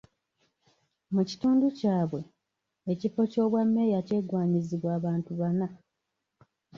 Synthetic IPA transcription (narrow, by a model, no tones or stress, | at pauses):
muci̥tuːnducaːβwe̞ | ecifo̞co̞ːβwamːe̞jace̞ːɡwaːɲiziβwaːβaːntuβana